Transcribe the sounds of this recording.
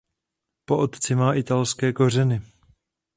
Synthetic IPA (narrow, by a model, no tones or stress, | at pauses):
po̞ʔot̪t͡sɪmaːʔɪt̪alskɛːko̞r̝ɛnɪ